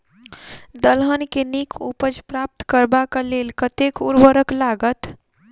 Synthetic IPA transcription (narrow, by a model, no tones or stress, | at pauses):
d̪əlɦənkenikupəd͡ʒpɾap̚t̪kəɾbakalelkət̪ekuɾbəɾəklaɡət̪